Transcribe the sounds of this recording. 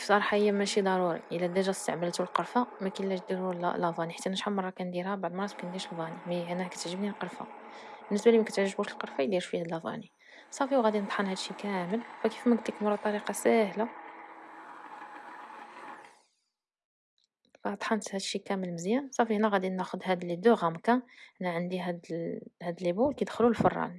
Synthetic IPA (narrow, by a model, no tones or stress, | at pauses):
fisɑɾˤħaəjːæmæʃid̪ˤɑɾuɾḭʔəlːæd̪æʒæst̪aʕməlt̪ulqəɾˤfamækilːæʃd̪iɾul̰lːɑvˤɑniħat̪ːænəʃħamɑrˤːɑkænd̪iɾhæbaʕd̪mɑˤːɑskænd̪iɾʃlvɑnimæænækæt̪əʕʒəbnilqəɾˤfa̰ | bənːəsbælimkæt̪əʕʒəbuʃəlqəɾˤfæjd̪iɾʃfihæd̪əlːɑvˤɑ̰ni | sˤɑfiwɣæd̪inət̪ˤħɑnhæd̪ʃikæməlfækifmæɡ̚t̪likmɑrˤːɑt̪ˤːɑɾiqɑsæhla | fæt̪ˤħɑnt̪hæd̪ʃikæməlməzjænsˤɑfiʔnæɣæd̪inæxʊd̪hæd̪lid̪uɣæmkæʔnæʕənd̪iɦæd̪hæd̪əlːibulkæd̪xlulfə̰rˤːɑ̰n